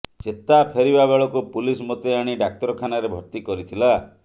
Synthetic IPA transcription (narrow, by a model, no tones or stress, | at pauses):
t͡ʃet̪apʰeɾibabeɭɔkupulismot̪eaɽ̃iɖak̚ʈɔɾɔkʰanaɾebʱɔɾt̪ikɔɾit̪ʰila